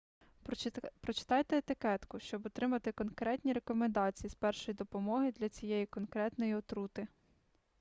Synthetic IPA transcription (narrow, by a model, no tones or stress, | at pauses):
pɾɔt͡ʃɪ̥t̪ɑjt̪eet̪ɪkɛt̪kʊʃt͡ʃɔbɔt̪ɾɪmɐt̪ɪkɔnkɾɛtʲnʲiɾe̞kɔmend̪ɑt͡sʲijispɛrʃɔjid̪ɔpɔmɔɦɪd̪lʲɐt͡sʲijɛjikɔnkɾɛt̪nɔjiɔt̪ɾut̪ɪ